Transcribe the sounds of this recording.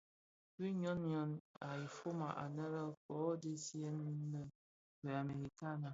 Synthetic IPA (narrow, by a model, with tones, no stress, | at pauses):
bi˦ɲɔ˦nɲɔ˦na˨i˨fo˦ma̰˨ʔa̰˨nə˦ɾə˦kɔ˨˦de˦si˦e˦n˦lə˦ | bə˨a˨me˨ɾi˨ta˦na˨